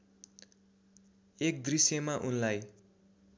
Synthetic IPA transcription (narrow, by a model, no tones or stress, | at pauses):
ek̚d̪risjemaʔunlaj